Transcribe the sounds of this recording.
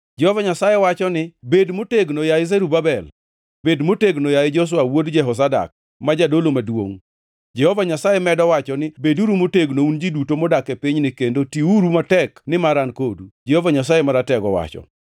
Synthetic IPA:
d͡ʒɛhɔvaɲasajewat͡ʃɔnɪbedmoteɡnojaɪzeɾubabɛl | bedmoteɡnojaɪd͡ʒɔs̬wawodd͡ʒɛɦɔs̬ada̰k̚ | mad͡ʒadolomadwo̰ŋ | d͡ʒɛhɔvaɲasajɛmɛdɔwat͡ʃɔnɪbeduɾumoteɡnound͡ʒidutomɔdakepiɲnɪkendotiuɾumatɛknɪmaɾankodud͡ʒɛhovaɲas̬ajemaɾatɛɡɔwa̰t͡ʃɔ̰

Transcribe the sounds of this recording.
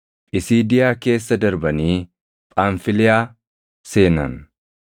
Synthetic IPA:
pʼɪsiːd̪ɪjaːke̞ːsːɐd̪ɐɾbɐniː | pʼaːɱfɪlɪjaː | se̞ːnɐ̰n

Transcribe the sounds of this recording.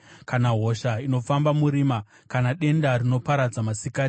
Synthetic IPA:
kanaɦo̞ʃaino̞fambamuɾiːma | kanaɗe̞ndarino̞paɾad͡zamasika

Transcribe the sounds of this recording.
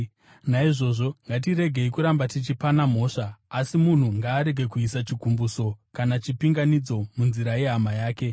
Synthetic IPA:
naiʐo̞ʐo̞ŋɡat̬iɾe̞ɡʱe̞ikuɾambatit͡ʃipanam̤o̞ːʂaːsimun̤uŋɡaːɾe̞ɡʱe̞kuisat͡ʃiɡʱumbuso̞kanat͡ʃipiŋɡanid͡zo̞munziɾaje̞ɦamajaːke̞

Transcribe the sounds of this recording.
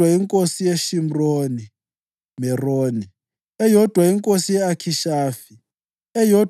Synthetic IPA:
waiŋkʼosijeʃim̩roni | mɛroːni | ɛjɔd̥ʱwaiŋkʼosijɛakʰiʃaːfi | ɛjɔ

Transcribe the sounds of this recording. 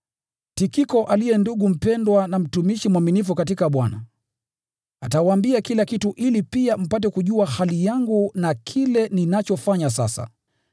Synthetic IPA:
tikikɔʔalijɛnduɠum̩pɛndwanam̩tumiʃimwaminifukatikaɓwana̰ | atawambiakilakituʔilipiam̩pat̬ɛkuʄuahalijaŋɡunakʰilɛninat͡ʃɔfaɲas̬a̰sa̰

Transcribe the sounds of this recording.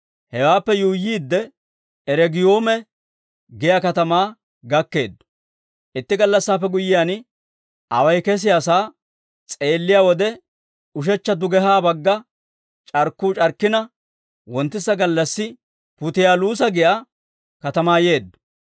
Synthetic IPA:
hɛwaːpːɛjujːiːd̪ːɛ | ɛɾɛɡɪjo̞ːmɛ | ɡɪjakɐt̪ɐmaː | ɡɐkːe̞̰ːd̪ːʊ̥ | ʔɪt̪ːɪɡɐlːɐsːaːpːɛɡʊjɪjaːn | ɐwɐjkɛs̬ɪjaːsaː | t͡sʼe̞ːlːɪjaːwɔd̪ɛ | ʊʃ̬ɛt͡ʃːɐd̪ʊɡɛɦaːbɐɡːɐ | t͡ʃʼɐɾkːuːt͡ʃʼɐɾkːɪnɐ | wɔnt̪ːɪsɐɡɐlːɐsːɪ | pʊt̪ɪjaːluːs̬ɐɡɪja | kɐt̪ɐmaːje̞ːd̪ːʊ̥

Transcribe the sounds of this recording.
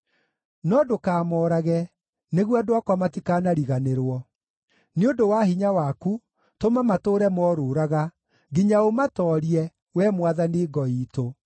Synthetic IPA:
nɔdokaːmɔɾaɣɛ | neɣwadwakwamatikanaɾiɣaneɾwɔ | neodowaɦiɲawaku | tomamatoɾɛmɔɾoːɾaɣa | ɡiɲaomatɔɾiɛ | wɛmwaðaneːɡɔiːto

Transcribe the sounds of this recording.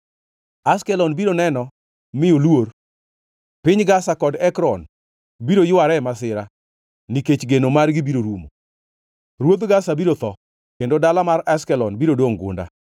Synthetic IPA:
askɛlɔnbiɾonɛnɔ | mɪolwor | pɪɲɡasakɔdɛkɾɔn | biɾojʊwaɾɛmas̬ɪɾa | niket͡ʃɡenomarɡɪbiɾoɾumo | ɾwod̪ɡasabiɾot̪ɔ | kendodalamaɾaskɛlɔnbiɾodwoŋɡʊ̰nda̰

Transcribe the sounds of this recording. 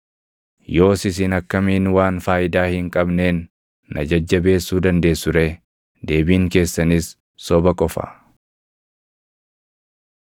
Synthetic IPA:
jo̞ːsɪsɪnɐkːɐmiːnwaːnfaːʔɪd̪aːhɪŋkʼɐbneːnː | ɐ̰d͡ʒɐd͡ʒːɐbe̞ːsːuːd̪ɐnd̪e̞ːsʊɾeː | d̪e̞ːbiːŋke̞ːsːɐniːsː | ɔbɐkʼɔfɐ̰

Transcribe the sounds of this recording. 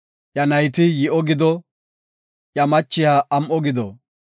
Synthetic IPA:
jɐnɐjt̪ɪjɪʔɔɡɪd̪ɔ | jɐmɐt͡ʃːɪjaʔɐmʔɔɡɪd̪ɔ

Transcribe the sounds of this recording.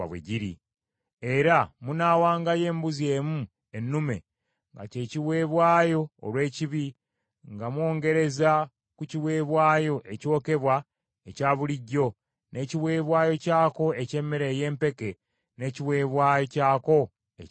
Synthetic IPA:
βwḛɟiɾḭ | e̞ɾamunaːwaːŋɡaje̞ːmbuzie̞ːmu | enːume̞̰ | ŋɡa̰ce̞ːciwe̞ːβwaːjo̞̰ːlwe̞ːciβi | ŋɡamwo̞ːŋɡe̞ɾe̞za | kuciwe̞ːβwaːjo̞ʔe̞co̞ːke̞βwa | ecaːβuliɟːo̞ | ne̞ciβwe̞ːβwaːjo̞caːko̞ece̞ːmeɾeːje̞ːmpe̞ke | ne̞ːciβwe̞ːβwaːjo̞caːko̞ | ḛ

